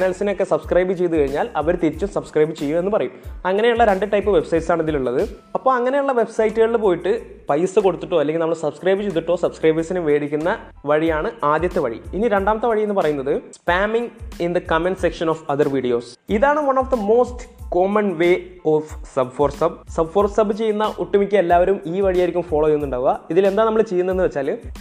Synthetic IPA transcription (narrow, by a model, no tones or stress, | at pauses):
nɐlsinokːe̞sɐbskrɐjbɨt͡ɕe̞jt̪ːukɐɻiɲːaːlɐʋɐɾt̪iɾit͡ɕːumsɐbskrɐjbɨt͡ɕe̞jume̞nːɨpɐrɐjumɐŋːɐne̞juɭːɐɾe̞ɳɖɨʈːɐjpːɨʋe̞bsɐjʈsaːɳɐðiluɭːɐðɨ | ɐpːo̞ːɭɐŋːɐne̞juɭːɐʋe̞bsɐjtːɨɣɐɭip̬oːjiʈːɨ | pɐjsɨko̞ɽut̪ːuʈːo̞ːɐlːeŋɡʲilnɐmːɐɭsɐbskrɐjbɨt͡ɕejt̪ːuʈːo̞ːsɐbskrɐjbɐsinuʋe̞ːɽikʲːunːɐ | ʋɐɻijaːɳɨaːd̪jɐt̪ːeʋɐɻḭiniɾe̞ɳɖaːmɐt̪ːeʋɐɻijenːɨpɐrɐjunːɐðɨspaːmiŋind̪ɐkɐmenɖsekʂɐnofɐðɐrʋiɽijoːsiðaːɳɨʋɐnoːfd̪ɐmo̞ːstkoːmɐnʋeːofsɐbfoːrsɐb̚sɐbfo̞ːrsɐbɨt͡ɕe̞jːunːɐʔuʈːumikʲːɨelːaːʋɐɾumiːʋɐɻijaːjɾikʲːumfoːɭoːjejunːuɳɖaːʋuɣɐiðile̞nd̪aːnɐmːɐɭt͡ɕejːunːenːɨʋet͡ɕːaːl